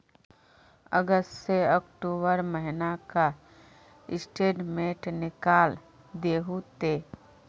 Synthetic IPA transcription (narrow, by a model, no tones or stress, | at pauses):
ə̰ɡəsʈseɔkʈuːbəɾməɦɪnaka | ɪsʈeːɖmeːʈnɪkaːl | d̪eːɦut̪eː